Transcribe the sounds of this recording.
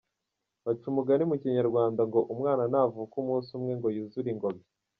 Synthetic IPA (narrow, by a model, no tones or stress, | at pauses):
βat͡ʃumuɡanimuciɲaɾɡwaːndaŋɡo̞ʔumŋaːnanavukumuːsumŋe̞ŋɡo̞juzuɾiŋɡoβi